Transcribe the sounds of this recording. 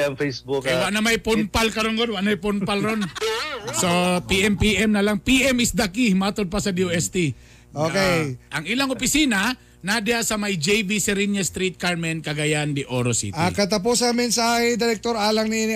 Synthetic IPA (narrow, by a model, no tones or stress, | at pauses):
ɐŋfejsbʊkɐjwaʔnɐmɐjpʊnpalkɐɾonɡod̪waʔnɐmajponpalɾonsopiʔɛmpiʔɛmnɐlaŋpiʔɛmɪsd̪akimat̪od̪̚pɐsɐd̪ioʔɛst̪i | okeʔɐŋʔɪlaŋʔʊpɪsiːnɐ | nad̪ɪasɐmajd͡ʒejbisɛɾinjast̪ɾit̪̚kaɹmɛnkɐɡajand̪ɪʔoɾosḭʔɐ̰kɐt̪ɐp̬usɐmɛnsaahɪd̪ɪɾɛk̚t̪oɾaːlɐŋninɪ